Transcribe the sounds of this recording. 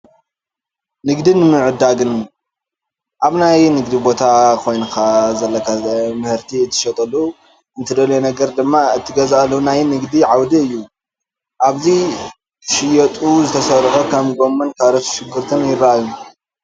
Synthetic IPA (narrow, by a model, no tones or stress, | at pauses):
nɨɡd̪inɨmɨʕɨd̪aɡɨn | ʔaβnajnɨɡd̪ibo̞t̪ʰakʰo̞jnɨkʰazɐlːɐkʰamɨhɨɾt̪ʰiɨt̪ʰːɨ̥ʃɐt̪ʼɐlːuu | ɨnt̪ʰɨd̪ɐlenɐɡɐɾd̪ɨmːaɨt̪ʰːɨɡɐzalːunajnɨɡd̪iʕawd̪iɨjːu | ʔaβzi | ʃɪjɐt̪ʼuzɨt̪ʰɐsɐɾħokʰɐmɡo̞mːɐnkʰaβɾɐt̪ʃɪɡɨɾt̪ʰɨnjɪɾaju